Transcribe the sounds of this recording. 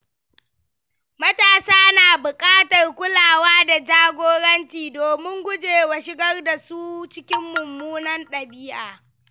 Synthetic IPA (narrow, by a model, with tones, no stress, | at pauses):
mɐ˦taː˨saː˦naː˨bʊ˨kʼaː˦tɐ˨rkʷʊ˦laː˨waː˦da˨d͡ʒaː˦ɡʷoː˦ɽɐ˦nt͡ʃiː˨doː˨mɪ˦ŋɡʷʊ˦d͡ʒeː˨wa˨ʃɪ˦ɡɐ˦rda˨su˦t͡ʃɪ˦kʲɪ˦mːʊ˨mːuː˦nɐ˦nɗɐ˨biː˦ʔaː˨